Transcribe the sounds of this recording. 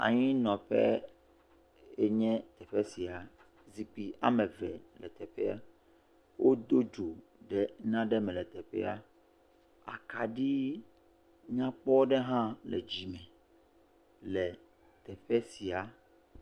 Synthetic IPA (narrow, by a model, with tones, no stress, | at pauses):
a̰˨ɲĩ˦nɔ̃˨ɸɛ˦ | e˦ɲɛ̃˦t̪ɛ˨ɸɛ˦si˨a˨ | zi˨k͡pi˨a̰˦mɛ̃˨vɛ˨lɛ̰˨t̪ɛ˨ɸɛ˦a̰˦˨ | wʔo˦d̪o˦d͡ʒo˨ | ɖɛ˦nã˦ɖɛ˦mɛ̃˨lɛ˨t̪ɛ˨ɸɛ̰˦a̰˦ | a̰˨ka˨ɖi˦ | ɲã˦k͡pɔ˦ɖɛ˦ɦã˦lɛ̰˨d͡ʑi˨mɛ̃˨ | lɛ˨ | t̪ɛ˨ɸɛ˦si˨a˨